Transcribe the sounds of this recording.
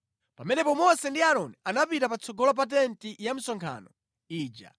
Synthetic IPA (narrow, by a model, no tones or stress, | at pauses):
pamɛnɛpɔmɔsɛndiaɾɔnianapitapat͡sʰɔɡɔlɔp̬atɛntijam̩sɔŋkʰa̰ːnɔ | iːd͡ʒa̰